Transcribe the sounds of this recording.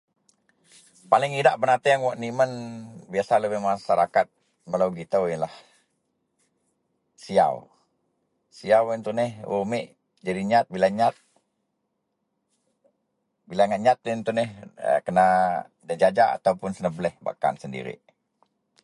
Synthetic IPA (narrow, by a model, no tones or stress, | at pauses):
palɪŋidaʔpənat̪iaŋwaʔnimənbiasaləbɪhmaʃaɾakat̪̚ | balawɡit̪əwinlah | sia̰w | siawɛnt̪unɛhṵmɪʔ | d͡ʒadiɲat̪̚bilaɲat̪̚ | bilaŋaʔɲat̪̚ɛnt̪unɛhə̰kəna | dad͡ʒad͡ʒaa̰t̪aupʊnsənəblɛhba̰ka̰nsəndḭɾḭʔ